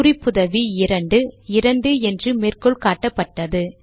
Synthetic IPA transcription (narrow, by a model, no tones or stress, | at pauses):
rɪpːʊðɐʋiɪɾɐɳɖɯɪɾɐɳɖɯɛndrɯmeːrkɔɭkaːʈːɐpːɐʈːɐðɯ